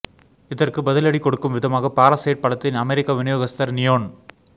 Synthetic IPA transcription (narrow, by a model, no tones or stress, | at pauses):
ɪðɐrkɯbɐðɪlɐɽikɔɽɯkːɯmʋɪðɐmaːɣɐpaːɾɐseːʈ̚pɐɽɐt̪ːɪnɐmɛɾɪkːaʋɪnɯjoːɣɐst̪ɐɾnɪjoːn